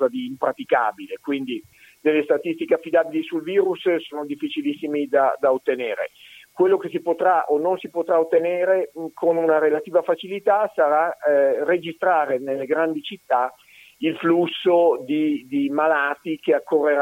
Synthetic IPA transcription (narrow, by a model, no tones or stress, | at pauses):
zad̪iːmpɾat̪ikaːbilekwind̪i | d̪elːest̪at̪ist̪ikeafːid̪aːbilisulviːɾussoːnod̪ifːit͡ʃilisːimid̪ad̪aot̪ːeneːɾḛkwelːokes̬ipot̪ɾaʔonːonsipot̪ɾaot̪ːeneːɾekonunaɾelat̪iːvafat͡ʃilit̪asaɾared͡ʒist̪ɾaːɾenelːeɡɾand̪it͡ʃit̪ːa | ilflusːod̪id̪imalaːt̪ikeakːorːeɾ